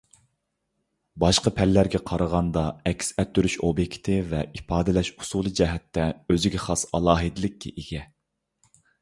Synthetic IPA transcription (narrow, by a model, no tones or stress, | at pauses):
bɑʃqɑpʰɛlːæɾɡʲɛqʰɑɾəʁɑnd̪ɑɛkʲsɛt̪ʰːyɾyʃobjekʲʰi̥t̪ʰɪvɛifɑːd̪ɪlɛʃu̥sulˠɨd͡ʒɛɦɛt̪ːɛøzɪɡʲɛχɑsɑlˠɑːɦɨd̪ɪlɪkʲːɛ̰ʔiɡʲɛ